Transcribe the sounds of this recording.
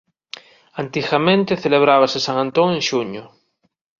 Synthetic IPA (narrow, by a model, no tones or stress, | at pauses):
ant̪iɣamẽnt̪eθeleβ̞ɾaβ̞asesaŋãnt̪oŋẽŋʃuɲo